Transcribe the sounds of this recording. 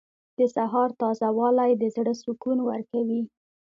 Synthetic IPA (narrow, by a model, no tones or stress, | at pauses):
d̪̥əsaɦɑɾt̪ɑzawɑlajd̪əzɽəsukunwaɾkawi